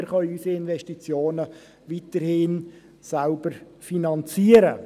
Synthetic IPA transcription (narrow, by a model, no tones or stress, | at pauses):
ɾχœʏysiɪnvɛstit͡sjoːnə | ʋitəɾhɪn | salbəɾ | finɑnt͡siəɾə